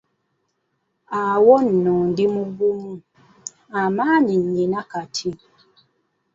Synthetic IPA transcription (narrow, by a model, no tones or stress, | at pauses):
awɔn̩ːɔndimuɡumu | amaninɲinakatʰi